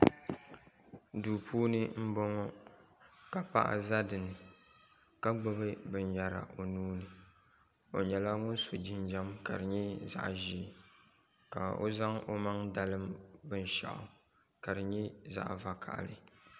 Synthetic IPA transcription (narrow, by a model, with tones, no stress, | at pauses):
duː˨pʰuː˦nɨ˦m̩˦bɔ˦ŋɔ˦ | ka˨pa̰˦ʔa̰˦za˦dɨ˨nɨ˨ | ka˦ɡ͡bɨ˦bɨ˦bɨ˨nja˨ɾa̰˨ʔo˨nuː˦nɨ˨ | o˨ɲɛ˨la˦ŋʊ˦n˦so˨d͡ʒɪ˦n˦d͡ʒa˦mka̰˨dɨ˨ɲɛ˦za̰˨ʔʒi˦˨ | ka˨o̰˦za˦ŋo˦ma˦ŋda˦lɨ˦mbɨ˦n˦ʃa̰˨ʔɔ̰˨ | ka˨dɨ˨ɲɛ˦za̰˦ʔva˨kʰa̰˨ʔlɨ˨